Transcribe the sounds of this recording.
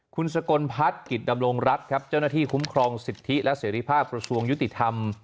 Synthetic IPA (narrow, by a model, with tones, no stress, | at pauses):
kʰu˧nsa˧ko˧npʰa˦˥t̪̚ki˨˩t̪̚da˧mɾo˧ŋɾa˦˥t̪̚kʰa˦˥p̚t͡ɕa˥˩wnaː˥˩t̪ʰiː˥˩kʰu˦˥mkʰɾɔː˧ŋsi˨˩t̪ʰːi˦˥lɛ˦˥ʔseː˩˦ɾiː˧˩pʰaː˥˩p̚kɾa˧su˧əŋju˦˥t̪i˨˩t̪ʰa˧m